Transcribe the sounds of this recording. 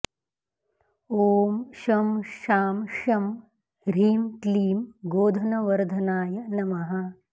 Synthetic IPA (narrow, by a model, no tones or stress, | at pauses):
oːmʃɐmʃaːmʃɐm | ɾiːmkliːmɡoːd̪ʱɐnɐʋɐɾd̪ʱɐnaːjɐnɐmɐɦɐ